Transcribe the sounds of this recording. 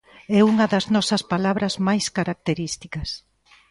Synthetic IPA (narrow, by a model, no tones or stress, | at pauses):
ɛuŋɐðɐznɔsɐspalaβɾɐzmajskaɾak̚t̪eɾist̪ikɐs